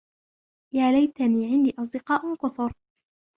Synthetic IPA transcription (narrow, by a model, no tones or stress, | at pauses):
jaːlajt̪aniːʕɪnd̪iːʔɑs̬ˤd̪ɪqɑːʔqʊθʊɾ